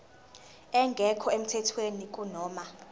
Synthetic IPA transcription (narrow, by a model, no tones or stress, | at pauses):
ɛŋɡʱɛkʰɔem̩tʰɛtʰwenik̬ʼunɔːma